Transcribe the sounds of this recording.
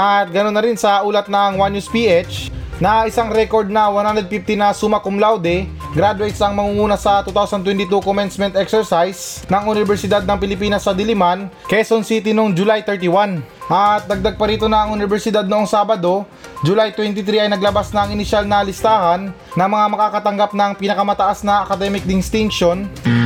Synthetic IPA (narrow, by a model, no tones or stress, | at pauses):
ʔɐt̪̚ɡɐnonːɐɾɪnsɐʔuːlɐt̪̚nɐŋwanjuspiʔɛt͡ʃnɐʔɪsaŋɾɛko̞ɾd̪̚nɐwaɐnhand̪ɾɛd̪fift̪ɪnɐsumɐkʊmlawd̪ɛ | ɡɾad̪ʊejt̪sɐŋmɐŋuŋuːnɐsɐt̪ut̪awsɐnt̪wɛnt̪ɪt̪ukomɛnsmɛnt̪ʔɛksɛɹsajs | nɐŋʊnɪbɛɾsɪd̪ad̪̚nɐŋpɪlɪpiːnɐsːɐd̪ɪlɪmankɛsonsit̪ɪnoŋd͡ʒʊlajt̪ɛɹt̪iwanʔɐt̪̚d̪ɐɡ̚d̪aɡ̚pɐɾiːt̪o̞nɐʔɐŋʊnɪbɛɾsɪd̪ad̪̚noʔoŋsaːbɐd̪o̞ | d͡ʒʊlajt̪wɛnt̪ɪt̪ɾiɐjnɐɡlɐbasnɐɐŋɪnɪʃalnɐlɪst̪aːhɐnː | ɐŋmɐŋamɐkakɐt̪ɐŋɡap̚nɐŋpɪnɐkɐmɐt̪ɐʔasnɐʔɐkɐd̪ɛmɪk̚d̪ɪnst̪ɪŋkʃon